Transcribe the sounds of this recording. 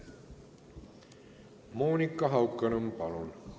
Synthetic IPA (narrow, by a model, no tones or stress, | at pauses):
moːnikːɑɦɑwkːɐnɯmpɑlon